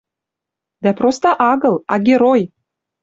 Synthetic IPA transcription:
d̪æpɾost̪əʔaɡəlˠaɡʲeɾoj

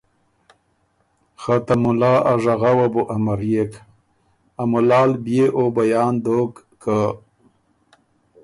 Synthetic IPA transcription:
xat̪amulaːʔaʐaɣawabuʔamaɾjek | amulɑːlbjeʔobajɑːnd̪oːkːa

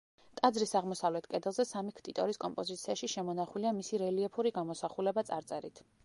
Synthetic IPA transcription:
t̪ʼad̪zɾisaʁmɔsavlɛt̪ʰkʼɛd̪ɛlˠzɛsamikʰt̪ʼit̪ʼɔɾiskʼɔmpʼɔzit̪sʰiaʃiʃɛmɔnaχuliamisiɾɛliɛpʰuɾiɡamɔsaχulɛbat̪sʼa̰ɾt̪sʼɛɾḭt̪ʰ

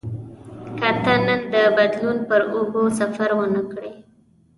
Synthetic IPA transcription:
kat̪anənd̪əbad̪lunpəɾobosafaɾwənəkɽe

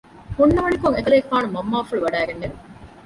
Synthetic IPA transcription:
hunːɐʋɐɳikoŋek̪ɐleːkfaːnumɐmːaːfuɭuʋɐɖæːɡenːed̪u

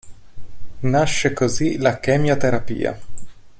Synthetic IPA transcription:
naʃːekozilakɛːmjat̪eɾapḭːa̰

